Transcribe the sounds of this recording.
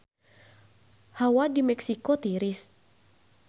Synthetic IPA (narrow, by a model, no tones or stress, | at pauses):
hawadimɛksikɔt̪iɾis